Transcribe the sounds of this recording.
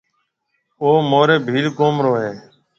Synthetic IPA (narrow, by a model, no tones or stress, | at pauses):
oːmoːɾeːbʱiːlkoːmɾoːɦeː